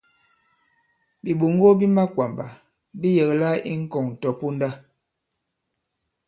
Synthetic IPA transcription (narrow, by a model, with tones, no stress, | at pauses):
bi˨ɓo˨ŋ˦ɡo˦bi˦ma˦kwa˨mba̰˨ | bi˦jə˨ɣla˦ḭ˦ŋ̩˦kɔ˨ŋ˨tɔ˨po˦nda˦